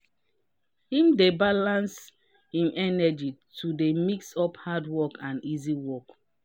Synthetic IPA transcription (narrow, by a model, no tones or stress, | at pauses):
hĩmdebalãns | hĩmʔɛnɛd͡ʒitʰudemiksɔphadwɔkãniziwɔk